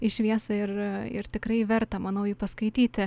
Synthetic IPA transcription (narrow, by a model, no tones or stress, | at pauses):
ɪʃʲʋʲiɛsɐɪrɪ̰rt̪ʲɪkɾɐɪʋʲɛɾt̪ɐmɐnɐʊjiːpɐskɐɪt̪ʲiːt̪ʲɪ